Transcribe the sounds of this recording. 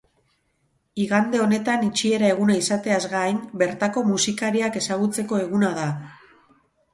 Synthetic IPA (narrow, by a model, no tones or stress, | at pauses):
iɣand̪e̞o̞ne̞t̪anit͡ʃie̞ɾae̞ɣunaisat̪e̞azɣajmbe̞ɾt̪ako̞musikaɾiake̞saɣut͡se̞ko̞e̞ɣunaða